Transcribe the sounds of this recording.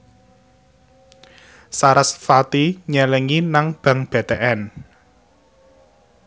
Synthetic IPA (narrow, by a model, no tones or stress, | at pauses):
saɾasfat̪iɲɛlɛŋinaŋb̥ä̤ŋb̥e̤t̪eʔɛn